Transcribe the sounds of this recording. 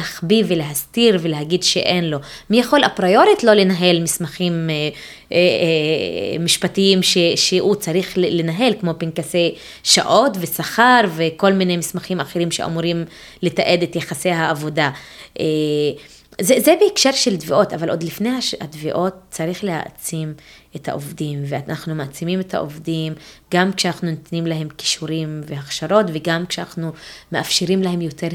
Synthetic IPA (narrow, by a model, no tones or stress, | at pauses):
haχbiveleɦast̪iʁveleɦaɡid̪ʃḛʔe̞nlo̞mijaχo̞lapʁajo̞ɾitlo̞lenaɦe̞lmismaχim | e | miʃpatiimʃeʃeut͡saʁiχlenaɦe̞lkmo̞pinkasej | ʃa̰ʔo̞tve̞saχaʁveko̞lminejmismaχimaχeɾimʃeʔa̰muɾim | let̪aʔe̞d̪et̪jeχasejɦaːvo̞daʔe | zezebeikʃeʁʃelt̪veʔo̞tavalʔo̞d̪lifnejaha̰tveʔo̞tt͡saʁiχleha̰t͡simetha̰ʔovdimveanʔaχnumeat͡simimetha̰ʔo̰vdimɡamkʃeanaχnunt̪nimlaɦe̞mki̥ʃuɾimvehaχʃaɾo̞tve̞ɡamkʃeanaχnumeʔafʃeɾimlahe̞mjo̞te̞ɾ